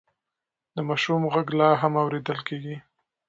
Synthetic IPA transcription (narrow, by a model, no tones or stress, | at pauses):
d̪̥əmɑʃumɣaɡlɑɦamawɾed̪əlkeɡi